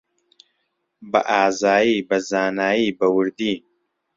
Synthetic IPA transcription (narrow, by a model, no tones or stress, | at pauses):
bɐ̰ʔaːzaːjibɐzaːnaːjibɐwɨɾd̪i